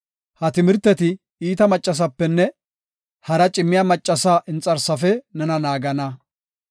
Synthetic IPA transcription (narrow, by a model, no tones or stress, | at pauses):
hɐt̪ɪmɪɾt̪ːɛt̪ɪ | iːt̪ɐmɐt͡ʃʼːɐs̬ɐpːɛnːɛ | hɐɾɐt͡ʃʼɪmːɪjaːmɐt͡ʃʼːɐsaːʔɪnt͡sʼɐɾsɐfɛnɛnɐnaːɡɐnɐ